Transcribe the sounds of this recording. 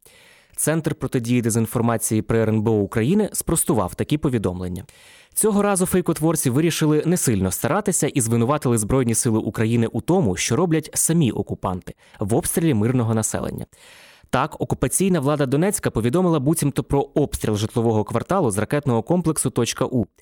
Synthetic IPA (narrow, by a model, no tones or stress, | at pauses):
t̪sɛnt̪rpɾɔt̪ɪdʲijid̪ezʲinfɔrmɑt͡sʲijipɾɔɾɛnbeɔukɾɐjinɪspɾɔst̪ʊʋɑ̰wt̪ɐkʲipɔʋʲid̪ɔmlˠḛnʲːɐ | t͡sʲɔɦɔɾɑzʊfɛjkɔt̪ʋɔrt͡sʲiʋɪɾʲiʃɪlˠɪnesɪlʲnɔst̪ɐɾɑt̪ɪsʲɐʔizʋɪnʊʋɑt̪ɪlˠɪzbɾɔjnʲisɪlˠɪʔukɾɐjinɪʔut̪ɔmʊʃt͡ʃɔɾɔblʲɐtʲsɐmʲiʔɔkʊpɑ̰nt̪ɪ̥ | ʋɔpst̪ʲɾʲilʲimɪrnɔɦɔnɐsɛ̰lˠḛnʲːɐ̰ | t̪ɑkɔkʊpɐt͡sʲijnɐʋlˠɑd̪ɐd̪ɔnɛt͡sʲkɐpɔʋʲid̪ɔmɪlˠɐbutʲimt̪ɔpɾɔɔpst̪ɾʲilˠʒɪt̪lˠɔʋɔɦɔkʋɐrt̪ɑlˠʊzrɐkɛt̪nɔɦɔkɔmplˠeksʊt̪ɔt͡ʃkɐʔu